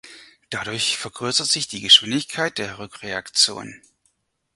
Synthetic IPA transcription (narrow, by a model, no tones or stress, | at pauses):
d̥aɾʊɐçfɛɐɡ̥ʁøɐsɐtz̥ɪçd̥iːɡəʃv̥ɪndɪçkʰaɪt̚d̥eːɐʁʏkʁ̥eakt͡sjo̰ːnn